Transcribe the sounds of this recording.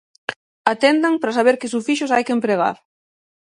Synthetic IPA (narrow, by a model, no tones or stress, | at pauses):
at̪end̪aŋpɾasaβ̞eɾkɪs̬ufiʃʊs̬ajkempɾeɣ̞a̰ɾ